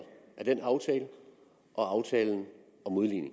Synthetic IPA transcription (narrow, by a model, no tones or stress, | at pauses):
æɐd̥enɑ̈ʊt͡sʰɛːlə | ʔɒ̽ɑ̈ʊt͡sʰɛːln̩ | ɒ̽mo̝ð̞ˠlḭːne̝ŋ